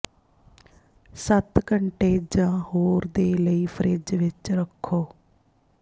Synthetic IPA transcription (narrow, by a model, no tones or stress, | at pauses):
sət̪kəɳʈeːd͡ʒãːhoːɾd̪eːləiːpʰəɾʔɪd͡ʒʋɪt͡ʃɾəkʰːoː